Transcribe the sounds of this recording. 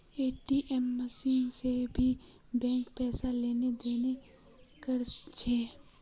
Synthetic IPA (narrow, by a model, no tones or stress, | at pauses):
eːʈiʔɛmːəsinsebʱi | bɛ̃ŋkpɛːsaleːned̪eːne | kɐɾt͡ʃʰe